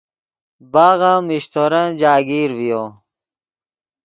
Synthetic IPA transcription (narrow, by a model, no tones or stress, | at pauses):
baːɣãmiɕt̪ʰoɾɐ̃nd͡ʑaːɡiːɾvijoː